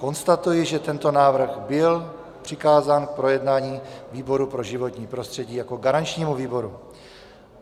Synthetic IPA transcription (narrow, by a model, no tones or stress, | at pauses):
ko̞nst̪at̪ujɪʒɛt̪ɛnt̪o̞naːvr̩ɣbɪl | pr̝̥ɪkaːzaːnk̚pɾo̞jɛdnaːɲiːviːbo̞ɾupɾo̞ʒɪvo̞t̪ɲiːpɾo̞st̪r̝̥ɛɟiːjako̞ɡaɾant͡ʃɲiːmuviːbo̞ɾu